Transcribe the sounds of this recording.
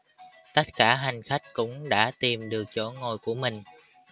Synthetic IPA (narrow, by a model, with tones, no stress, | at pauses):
t̪ə˦˥t̚kaː˧˩ɦa˨˩jŋ̟xa˦˥jk̟̚kʊ̰˧˥ŋ͡mɗa̰ː˧˥t̪i˨˩mɗɨ˨˩ək̚t͡ɕo˧˥˦ŋo˨˩jku˧˩əmï˨˩ŋ̟